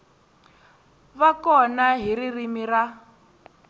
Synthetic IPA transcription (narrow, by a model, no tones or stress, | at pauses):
βakɔnaɦiririmira